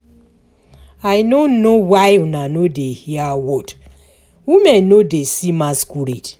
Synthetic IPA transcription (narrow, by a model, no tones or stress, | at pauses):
ajnonowajunanodehiawɔd | wimɛ̃nnodesimaskuɾid